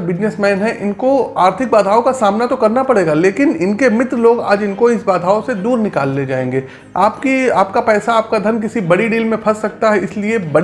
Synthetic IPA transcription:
bɪd͡ʒnesmɛːnɦɛ̃ʔɪnkoaːɾt̪ʰɪk̚baːd̪ʱɦaːokasaːmnat̪okɐɾnapɐɽeːɡaleːkɪnɪnkemɪt̪ɾəloːɡa̰ːd͡ʒɪnkoɪsbaːd̪ʱaːosed̪uːɾnɪkaːlːed͡ʒaːẽːŋɡeː | aːpkiaːpkapɛːsaaːp̚kad̪ʱɐnk̬ɪsibɐɽiɖiːlmẽpʰɐsːɐk̚t̪aɦɛɪsliebɐɽ

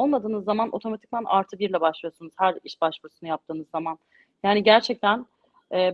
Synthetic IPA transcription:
olˠmad̪ɯːnɯzːamanʔo̞̰t̪ʰo̞mat̪ʰi̥c̚ʲænʔa̰ɾt̪ʰɯbiɾlʲɛbaʃlˠɯjo̞sunuz̥hæɾiʃbaʃvuɾusunujap̚t̪ʰɯːnɯzːaman | jaːniɟæɾt͡ʃʰɛc̚t̪ʰæn | ɛː

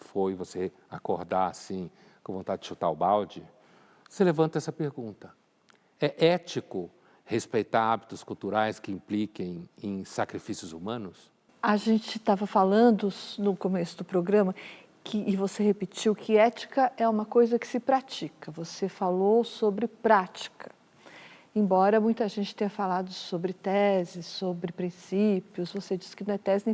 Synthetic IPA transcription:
fojvose | akoɾd̪aa̰sĩ | kõvõt̪ad͡ʒɪd͡ʒɪʃut̪a̰wʊbawd͡ʒɪ | oselevɐ̃nt̪ɐɛsɐpeɾɡũnt̪ɐ | ɛʔɛt͡ʃikʊ | hespejt̪aɾabit̪ʊskuwt̪uɾajskɪĩplikẽj̃ẽj̃sakɾifisjʊzumɐ̃nʊs | aʒẽnt͡ʃɪt̪avɐfalɐ̃nd̪ʊnʊkomesʊd̪ʊpɾoɡɾɐ̃mɐ | kʰɪʔːvosehepɪt͡ʃiwkʰɪɛt͡ʃi̥kɐʔɛũmɐkojzɐkɪ̥sɪpɾat͡ʃikɐvosefalowsobɾɪpɾat͡ʃi̥kʰɐ̥ | ẽbɔɾɐmũj̃t̪ɐʒẽnt͡ʃɪ̥t̪ẽɲ̃ɐfalad̪ʊsobɾɪt̪ɛzɪsːobɾɪpɾĩsipjʊsvosed͡ʒisɪ̥kɪnɐ̃w̃ɛt̪ɛzɪñ

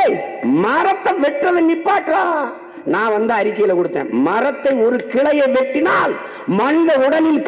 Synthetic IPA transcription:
mɐɾɐt̪ːɐʋɛʈːrɐðɯnɪpːaːʈːɾaː | nãːʋɐnd̪ɯɐɾɪkːɐjɪlɐkɔɽɯt̪ːḛ̃ːmɐɾɐt̪ːɐɪɔɾɯkɪɭɐjɐɪʋɛʈːɪnaːl | mɐnd̪ɐʊɽɐlɪlk

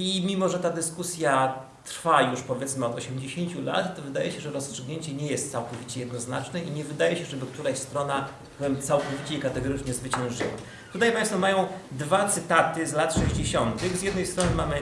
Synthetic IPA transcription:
imʲimɔʐɛt̪ad̪ɘskusʲja | t̪ɾfajuʂpɔvʲjɛt̪smɘɔd̪ɔɕɛmd͡ʑeɕeɲt͡ɕula̰t̪ːɔvɘd̪ajɛɕɛʐɛɾɔst͡ʂʂɘɡɲeɲt͡ɕɛɲɛjɛst̪̚sawkɔvʲit͡ɕɛjɛd̪nɔznat͡ʂnɛiɲɛvɘd̪ajɛɕɛʐɛbɘk̚t̪uɾaɕst̪ɾɔna | pɛmt̪sawkɔvʲit͡ɕɛikat̪ɛɡɔɾɘt͡ʂɲɛzvɘt͡ɕɛ̃w̃ʐɘ̰wa̰ | t̪ut̪ajpaj̃st̪fɔmajɔ̃w̃d̪vat̪sɘt̪at̪ɘzlat̪ʂɛʑd͡ʑeɕɔnt̪ɘɣzʲjɛd̪nɛjst̪ɾɔnɘmamɘ

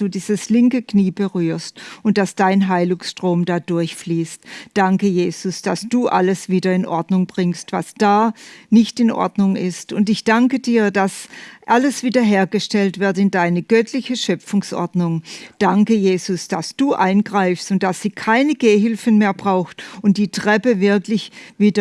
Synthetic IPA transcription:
d̥uːdiːzəslɪŋkəkniːbəʁyːɐstʊnt̚d̥asd̥aɪnɦaɪlʊŋsʃtʁ̥oːmdaːdʊɐçfliːstd̥aŋkəjeːz̥ʊsd̥asd̥uːʔa̰ləsv̥iːdɐɪnʔɔɐdnʊŋbʁɪŋstv̥a̰sd̥aːnɪçtɪnʔɔ̰ɐdnʊŋɪstʊntɪçd̥aŋkədiːɐd̥asʔaləsv̥iːdɐɦeːɐɡəʃtɛltv̥ɪɐtɪndaɪnəɡœtʰlɪçəʃœp͡fʊŋsʔɔ̰ɐdnʊŋd̥aŋkəjeːzʊsd̥asd̥uːʔaɪnɡʁaɪfstʊnt̚d̥asz̥iːkʰaɪnəɡeːɦɪlfən̩meːɐbʁaʊxtʊnt̚d̥iːtʁ̥ɛpəvɪɐklɪçviːdɐ

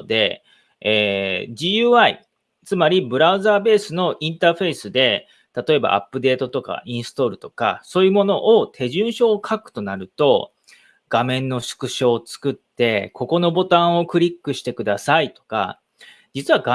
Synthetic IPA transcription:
d̪e̞̰ | eːʑiːjɯːaḭ | t͡sɨmaɾʲibɯ̟ɾaɯ̟zaːbe̞ːsɨno̞ʔĩnt̪aːɸe̞isɨd̪e̞ | t̪at̪o̞e̞ba̰ʔa̰pːɯ̟d̪e̞ːt̪o̞t̪o̞ka̰ĩɰ̃sɨ̥t̪o̞ɾɯ̟t̪o̞̥ka̰so̞ːjɯ̟mo̞no̞ʔot̪ʰe̞ʑɨ̃ɰ̃ɕo̞ːkʰakɯ̟̥t̪o̞naɾɯ̟t̪o̞ | ɡ̥amẽ̞nːo̞ɕɨ̥kɯ̟ɕo̞ːt͡sɨ̥kɯ̟t̪ːe̞kʰo̞ko̞no̞bo̞t̪ãɰ̃o̞kɯ̟ɾʲikːɯ̟ɕi̥t̪e̞kɯ̟d̪asait̪o̞̥ka̰ | d͡ʑit͡sɨβaɡa

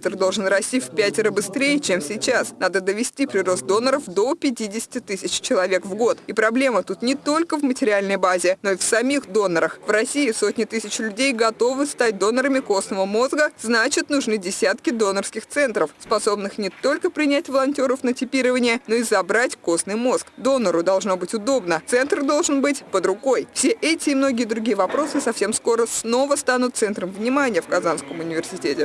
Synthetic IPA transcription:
t̪ərd̪o̞lˠʐɨnrɐsʲtʲifʲpʲætʲɪɾəbɨst̪ɾʲejɪt͡ɕemsʲɪt͡ɕasnad̪əd̪əvʲɪsʲtʲipɾʲɪro̞st̪̚d̪o̞nːəɾəfd̪o̞pʲɪtʲidʲɪsʲɪ̥tʲɪt̪ɨsʲɪt͡ɕt͡ɕɪlˠɐvʲe̞kvɡo̞t̪ipɾɐblʲe̞mət̪ut̪nʲɪt̪o̞lʲkəvmətʲɪɾʲɪalʲnəjbazʲɪno̞ɪfsɐmʲixd̪o̞nːəɾəxvrɐsʲiɪso̞tʲnʲɪt̪ɨsʲɪt͡ɕlʲʉdʲejɡɐt̪o̞vɨst̪at̚ʲd̪o̞nəɾəmʲɪko̞snəvəmo̞zɡəz̥nat͡ɕɪt̪nʊʐnɨdʲɪsʲat̪kʲɪd̪o̞nərskʲɪxt̪sɛnt̪ɾəfspɐso̞bnɨxnʲɪt̪o̞lʲkəpɾʲɪnʲætʲvəlˠɐnʲtʲo̞ɾəfnətʲɪpʲiɾəvənʲɪjəno̞ɪzɐbɾatʲko̞snɨjmo̞skd̪o̞nəɾʊd̪ɐlˠʐno̞bɨtʲʊd̪o̞bnət̪sɛnt̪rd̪o̞lˠʐɨnbɨtʲpəd̪ɾʊɡo̞jfsʲeʔɛtʲɪːmno̞ɡʲɪjəd̪ɾʊɡʲijəvɐpɾo̞sɨsɐfsʲe̞msko̞ɾəsno̞vəst̪anʊt̪t̪sɛnt̪ɾəmvnʲɪmanʲɪjəfkɐzanskəmʊnʲɪvʲɪrsʲɪtʲetʲɪ

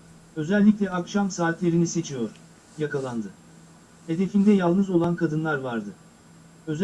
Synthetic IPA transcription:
ø̞zælʲːicʲlʲɛakʃamsaːt̪lʲe̞ɾinise̞t͡ʃʰijoɾ̥ | jakalˠand̪ɯ | he̞d̪e̞find̪ɛjalˠnɯzo̞lˠankʰad̪ɯnlˠaɾvaɾd̪ɯ | ø̞z

